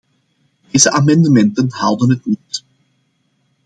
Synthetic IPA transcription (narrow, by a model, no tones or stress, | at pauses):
d̥iːzəʔamɛndəmɛntənhawˠdənətnit